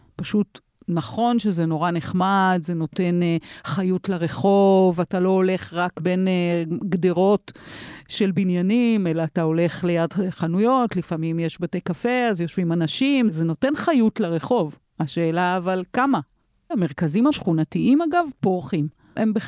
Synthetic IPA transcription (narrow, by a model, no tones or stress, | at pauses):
paʃut | naχo̞nʃezeno̞ʁaneχmadze̞no̞te̞nχajutleʁeχo̞vatalo̞ole̞χʁakbe̞nɡdeʁo̞tʃe̞lbinjanime̞laːtao̞le̞χle̞jadχanujo̞tlifamimjeʃbate̞jkafeazjo̞ʃvimanaʃimzeno̞te̞nχajutleʁe̞χo̞v | aʃeːlaːvalkama | ame̞ʁ̞kazimhaʃχunatiimaɡavpoʁχim | ʔembe